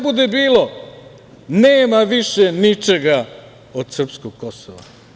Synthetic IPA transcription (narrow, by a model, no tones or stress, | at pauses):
bud̪ebiːlo̞ | neːmaʋiʃenit͡ʃe̞ɡa | od̪sr̩pskoɡ̚kosoʋa̰